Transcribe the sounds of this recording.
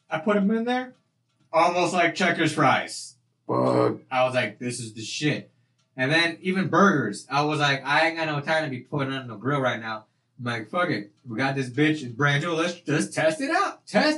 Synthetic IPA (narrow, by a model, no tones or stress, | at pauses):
aɪpʰʊɾɨ̃mɪ̃nðə˞ | ɔlˠmoʊst̚ˡlaɪk̚t͡ʃʰɛkjə˞spɹaɪz̥ | b̥ʌ̰aɪwʌzlaɪk̚ðɪsɨzðɨʃɪt̚ | ɨ̃nðɨ̃nivɨ̃nbɜ˞ɡə˞zaɪwʌzlaɪkaɪɨn̩ɡɑt̚ⁿnoʊtʰãɪ̃mtʰɨbipʰʊɾɪ̃ŋə̃nɨ̃n̩əɡɹɪlˠɹaɪtⁿnaʊ | maɪkfʌɡɨt̚wiɡɑt̪̚ðɪs̬b̥ɪt͡ʃɨ̃nbɹæ̃nd͡ʒulˠɪsd̥ʒ̥ʌstʰɛstɨɾaʊt̚ʰɛs